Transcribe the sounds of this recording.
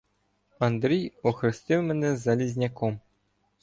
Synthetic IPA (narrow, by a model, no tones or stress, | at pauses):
ɑnd̪rʲijoxrʲɘ̆sʲt̪ʲemʲɘ̆nʲezɑlʲizʲnʲakom